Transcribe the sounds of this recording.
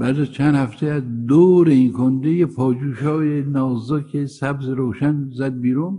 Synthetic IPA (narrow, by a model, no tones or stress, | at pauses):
b̥æːɾd̪æzt͡ʃʰænd̪hæft̪ʰeæzd̪oːɾeinkʰond̪ejepʰɒːd͡ʒuːʃɒːjenɒːzoːkʰesæbzeɾoːʃænzæd̪̚biːɾun